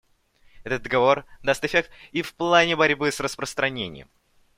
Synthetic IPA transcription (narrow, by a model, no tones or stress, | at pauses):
ɛt̪ət̪̚d̪əɡɐvo̞rd̪ast̪ɪfʲek̚t̪ifplˠanʲɪbɐɾʲbɨsrəspɾəst̪ɾɐnʲenʲɪ̰jə̰m